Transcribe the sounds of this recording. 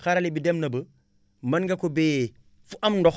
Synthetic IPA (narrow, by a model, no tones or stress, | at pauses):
xaɾalibidemnɐbə | mɐnɡakobe | fuʔamndɔx